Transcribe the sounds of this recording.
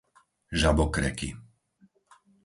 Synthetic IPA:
ʒabɔkɾɛ̰kḭ

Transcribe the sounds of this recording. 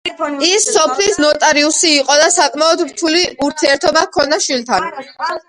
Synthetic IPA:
isːɔpʰlisnɔt̪ʼaɾiusiːqʼɔd̪asakʼmaɔd̪ɾt̪ʰuliuɾt̪ʰiɛɾt̪ʰɔbakʰɔnaʃwilt̪ʰan

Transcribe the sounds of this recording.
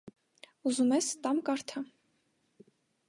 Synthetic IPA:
uzumɛst̪ɑmkɑɾt̪ʰə

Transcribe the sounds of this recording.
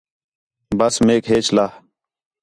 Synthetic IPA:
bəsmeːkɦeːt͡ʃlaː

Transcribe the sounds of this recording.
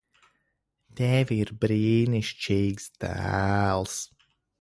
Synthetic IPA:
t̪ɛːviɾbɾiniʃt͡ʃeːɡsd̪a̰lˠs

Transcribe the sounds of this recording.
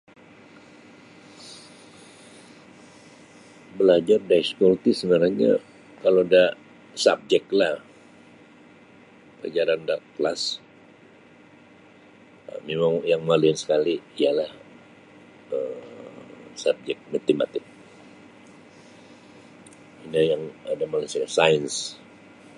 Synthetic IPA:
bəlad͡ʒardaiskult̪isənaɾahɲa̰ | kaloda | sap̚d͡ʒɛklah | ka̰d͡ʒaɾandaʔklas | memaŋjaŋmaluɪnsə̥kaliːjalah | ə | sab̚d͡ʒɛk̚mat̪ima̰t̪ɪk̚ | inajaŋadamalansasajəns

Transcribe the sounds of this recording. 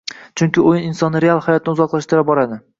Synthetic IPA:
t͡ʃʰʊŋkʲɪojɪnɪnsɒnːɪɾealˠhajɒt̪̚ʰnɪʊzɒqlˠaʃt̪ɪɾap̚bɒɾad̪ɪ

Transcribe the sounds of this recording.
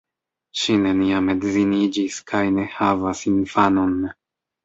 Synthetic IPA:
ʃineniame̞dzinid͡ʒiskʰajne̞havasinfano̞n

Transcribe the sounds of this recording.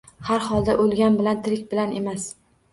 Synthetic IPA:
haɾhɒlˠd̪aʔolˠɡʲanbɪlant̪ʰɪɾɪkʲbɪlane̞mas

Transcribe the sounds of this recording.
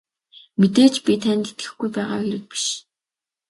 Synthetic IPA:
met̪eːt͡ɕpʲit̪ʰænt̪e̥t̪ɡɘ̆xɡujpæːʁa̰ːxeɾɘ̆k̚pi̥ʃ

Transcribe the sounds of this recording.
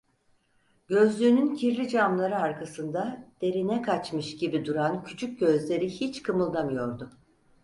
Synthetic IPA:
ɟø̞zlʲynyncʰiɾlʲid͡ʒamlˠaɾɯaɾkʰasɯnd̪ad̪̥e̞ɾinɛkʰat͡ʃmɯʃɟibid̪uɾancʰyt͡ʃʰyc̚ɟø̞zlʲe̞ɾihit͡ʃkʰɯmɯlˠd̪amɯjo̞ɾd̪ʊ

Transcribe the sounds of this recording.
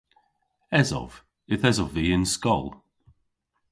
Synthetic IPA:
ɛzɔ̰v̥ | ɪθɛzɔviːɪnskɔlˠ

